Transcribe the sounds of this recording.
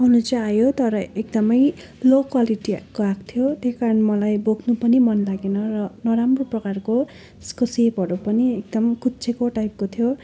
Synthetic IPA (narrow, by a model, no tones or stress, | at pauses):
ʌnut͡saːjot̪ʌɾʌek̚d̪ʌmʌj | lokwaliʈiakoak̚t̪ʰjot̪eskaɾʌnmʌlajboɡʱnupʌnimʌnlaɡenʌrʌnʌɾamroprʌkarko | skosepɦʌɾupʌniek̚d̪ʌmkutːt͡sʰekoʈajp̚kot̪ʰjo